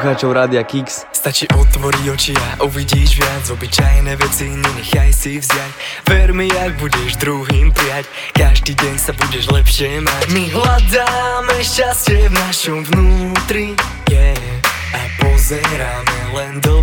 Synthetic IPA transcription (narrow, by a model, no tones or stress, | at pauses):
xaːt͡ʃɔʊɾaːd̪ɪakiks | st̪at͡ʃiːʔɔt̪ʋɔɾiɟɔt͡ʃiaʔuʋiɟiːʒʋɪad͡zvɔbit͡ʃajnɛːʋɛt͡siɲɛɲɛxajsivzɪjac | ʋɛɾmiaɡ̚buɟɛʒd̪ɾuɦiːmpɾɪac | kaʒd̪iːɟɛɲsabuɟɛʒlɛpʃɪɛmacmiɦlad̪amɛʃt͡ʃast͡ɕɛvnaʃɔmvnuːt̪ɾi | ɲɛ | apɔzɛɾamɛlɛnd̪ɔ